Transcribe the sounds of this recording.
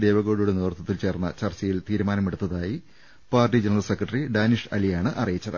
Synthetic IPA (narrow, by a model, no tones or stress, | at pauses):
d̪e̞ːʋɐɣo̞ːɽujuɽe̞niʋɐrt̪ʰːɐt̪ːilt͡ɕe̞ːrnːɐ̰t͡ɕɐrt͡ɕɐjilt̪iːɾumaːnɐmeɽut̪ːɐðaːji | paːrʈid͡ʑenɐrɐlsekrɐʈːriɖaːniʂɐ̰lijaːɳɨʔɐrijit͡ɕːɐðɨ